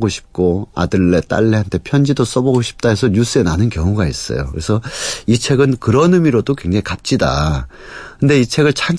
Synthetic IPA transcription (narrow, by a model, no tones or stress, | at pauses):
ɡoɕʰi̥p̚k͈oa̰dɯɭːe̞t͈a̰ɭːeɦantʰe̞pʰjʌnd͡ʑidos͈ʌbʌɡoɕʰi̥p̚t͈aɦesʰʌɲus͈ɯe̞nanɯnkjʌŋuɡais͈ʌ̰jo̰kɯɾe̞sʰʌit͡ɕʰe̞ɡɯnkɯɾʌnɯmiɾodokwe̞ŋd͡ʑaŋikap̚t͡ɕ͈ida̰ | kɯnde̞it͡ɕʰe̞ɡɯɭt͡ɕʰan